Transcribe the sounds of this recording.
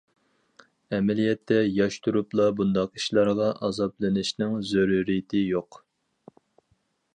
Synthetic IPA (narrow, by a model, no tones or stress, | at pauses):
ɛmɛlijɛt̪ʰːɛjɑʃt̪ʰuɾuplˠɑbund̪ɑqi̥ʃlˠɑɾʁɑʔɑzɑplˠɨnɪʃnɪŋzoɾuɾijɪt̪ʰɪjoq